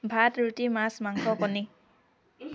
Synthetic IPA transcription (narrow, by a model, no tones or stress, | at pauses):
bʱat̪ɾut̪imasmaŋkʰɔpɔni